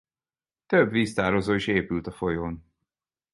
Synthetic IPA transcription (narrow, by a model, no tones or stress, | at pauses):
t̪øbʋiːst̪aːɾozoːiʃeːpylt̪ɒfo̞joːn